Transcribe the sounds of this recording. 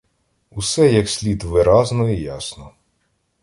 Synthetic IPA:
usɛjɐksʲlʲit̪ʋɪɾɑznɔijasnɔ

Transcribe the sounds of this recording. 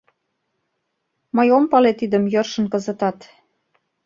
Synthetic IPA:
məjompɑlet̪id̪ə̆mjərʃə̆nkəzə̆t̪ɑt̪

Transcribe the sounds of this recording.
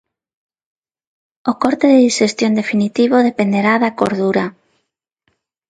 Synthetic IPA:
okɔɾt̪eðeðiʃest̪jond̪efinit̪iβoðepend̪eɾaðako̰ɾð̞uɾa

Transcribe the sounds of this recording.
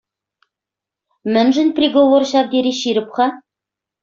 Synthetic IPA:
mɘ̆nʒɘ̆nʲprʲiɡovorɕɑvd̪ʲeɾʲiɕiɾɘ̆pχɑ

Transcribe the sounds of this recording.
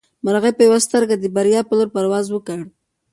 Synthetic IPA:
maɾɣepəjawast̪əɾɡad̪əbaɾjɑpəloɾpaɾwɑzwəkəɽ

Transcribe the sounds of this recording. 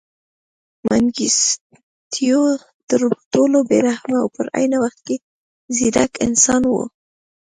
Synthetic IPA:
mʔaŋɡis | t̪ʰijo | d̪̥əɾt̪olobeɾahmaa̰wpəɾa̰jnawaxt̪̚ke | zid̪akɪ̰nsɑnwo̰

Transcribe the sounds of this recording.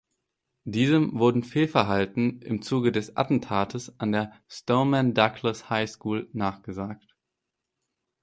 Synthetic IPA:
d̥iːzəmvʊɐdn̩feːlfɛɐɦaltn̩ɪmt͡suːɡədɛsʔa̰tn̩tʰaːtʰəsʔandeːɐ | stoʊmɛndaklashaɪskuːlnaːχɡ̥əzaːkt

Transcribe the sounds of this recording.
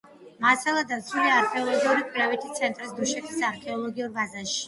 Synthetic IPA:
masalˠad̪aɾt̪sʰuliaːɾkʰɛɔlˠɔɡiuɾikʰʼwiɾavɛt̪ʰit̪sʰɛnt̪ʼɾisd̪uʃɛt̪ʰisaɾkʰɛɔlˠɔɡiuɾbazaʃi̥

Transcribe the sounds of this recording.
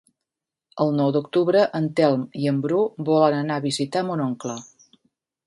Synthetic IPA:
əlˠnɔwd̪uk̚t̪uβɾəʔənt̪ɛlˠmiəmbɾubɔlənənaβizit̪amunoŋklə

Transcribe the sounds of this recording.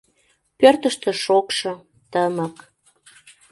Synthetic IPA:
pørt̪əʃt̪ĕʃokʃɤ̆ | t̪əmə̆k

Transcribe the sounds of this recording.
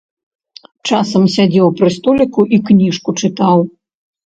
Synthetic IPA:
t͡ʂasɐmsʲad͡zʲɛwpɾɨst̪ɔlʲikuʔiknʲiʂkut͡ʂɨt̪aw

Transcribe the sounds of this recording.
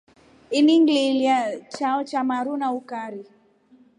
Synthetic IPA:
iniŋɡliljat͡ʃaɔt͡ʃamaɾunaukaɾi

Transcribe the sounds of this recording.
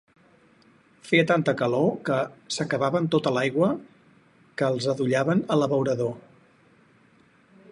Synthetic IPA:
feət̪ant̪əkəlokəsəkəβaβənt̪ot̪əlajɣwə | kəːlˠzəðuʎaβənələβəwɾəðo

